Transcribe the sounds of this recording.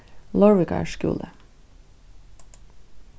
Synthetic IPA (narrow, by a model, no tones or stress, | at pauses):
lɔɹʋɪkɑ̰ʃkʉ̰ːlə